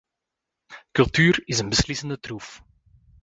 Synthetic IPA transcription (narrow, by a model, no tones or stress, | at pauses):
kɵlˠtyːɾɪzənbəslɪsəndətruf